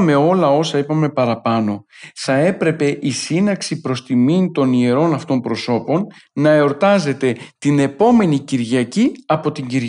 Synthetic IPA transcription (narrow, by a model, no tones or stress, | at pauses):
me̞o̞lɐo̞sɐipɐme̞pɐɾɐpɐno̞θɐe̞pɾe̞pe̞ʔisinɐksipɾo̞st̪imint̪o̞nie̞ɾo̞nɐft̪o̞mpɾo̞so̞po̞nnɐeo̞ɾt̪ɐze̞t̪e̞t̪ine̞po̞me̞niciɾʝɐciɐpo̞t̪iɲɟiɾ